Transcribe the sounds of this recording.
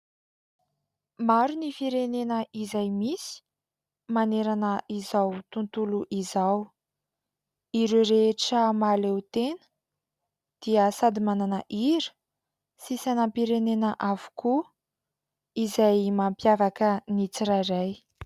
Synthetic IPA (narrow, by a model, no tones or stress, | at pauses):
maɾunifiɾenenəʔizajmisi̥ | maneɾanəʔizawt̪unt̪uluʔizaw | iɾuɾeʈ͡ʂəmalewt̪enə̥ | d̪̥iəsad̪imananəʔiɾə̥ | sisanampiɾenenəʔavu̥ku | izajmampjavakənit͡siɾaɾaj